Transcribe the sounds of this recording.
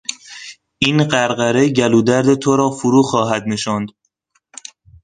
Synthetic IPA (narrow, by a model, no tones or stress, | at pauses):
ʔinɢæɾɢæɾe̞ɟæluːd̪æɾd̪et̪ʰoɾɒːfʊɾuːxɒːɦæd̪ne̞ʃɑːnd̪̥